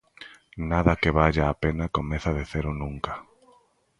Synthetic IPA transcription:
naðakeβaʎaːpenakomeθaðiθeɾʊnũŋkḁ

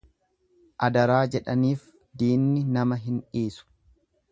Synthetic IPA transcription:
ʔɐd̪ɐɾaːd͡ʒɛᶑɐniːf | d̪iːnːɪnɐmɐɦɪnᶑiːsʊ̥

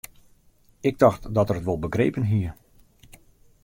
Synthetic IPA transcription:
ɪɡ̚dɑxtdɔtərətʋɔlˠbəɡrejːpənɦiər

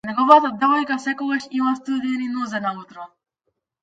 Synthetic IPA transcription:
nɛɡɔvat̪ad̪ɛvɔjkasɛkɔɡaʃimast̪ud̪ɛninɔzɛnaut̪ɾɔ

